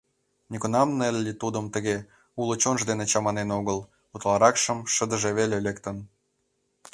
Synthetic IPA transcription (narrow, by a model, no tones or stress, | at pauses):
nʲikunɑmnelʲːit̪ud̪əmt̪əɣe | ulot͡ɕonʒd̪enet͡ɕɑmɑnenoɣəl | ut̪lˠɑɾɑkʃə̆mʃəd̪ə̆ʒeβelelekt̪ən